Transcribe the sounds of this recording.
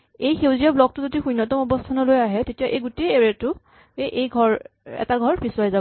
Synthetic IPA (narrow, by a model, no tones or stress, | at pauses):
ejxewziablɔk̚tʊzodixujnːɔtɔmɔbɔstʰanɔlojaɦɛtetijaʔejɡuteeɹetʊ | ʔejɡʱɔɹɛ̰taɡʱɔɹbisuwajza